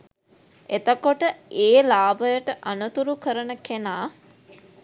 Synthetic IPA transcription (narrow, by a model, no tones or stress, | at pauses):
et̪əkoʈəeːlaːbəjəʈəʔanət̪uɾukəɾənəkenaː